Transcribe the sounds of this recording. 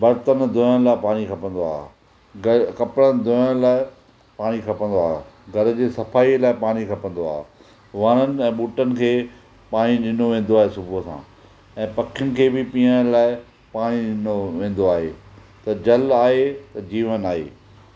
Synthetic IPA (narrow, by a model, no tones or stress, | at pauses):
bɐɾt̪ənd̪ʱoːəñlaːɪpaːɽ̃ikʰɐpə̃n̆d̪oa̰ːɦe | ɡkɐpɪɽən̆d̪oːəɽ̃laːɪ | paːɽ̃ikʰɐpə̃nd̪oa̰ːɦɡʱɐɾd͡ʑeːsɐfaːilaːɪpaːɽ̃ikʰɐpə̃n̆d̪oa̰ːɦ | ʋɐnənɪ̆ɛ̃ːɓuːʈənɪ̆kʰeː | paːɽ̃iɗɪn̤oʋẽːn̆d̪oaːɦesʊbʱuɦəsã̰ː | ɛ̃ːpɐkʰjʊnɪ̆kʰeːbɪpĩːəɽ̃laːɪ | paːɽ̃iɗɪnoʋẽːn̆d̪oaːɦḛː | t̪ɐd͡ʑɐlaːɦet̪ɐd͡ʑiːʋənaːɦḛː